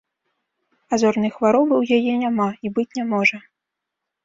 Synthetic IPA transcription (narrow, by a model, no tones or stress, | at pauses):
azɔrnɨjxvaɾɔbɨwjajɛnʲamaibɨt͡sʲnʲamɔʐɐ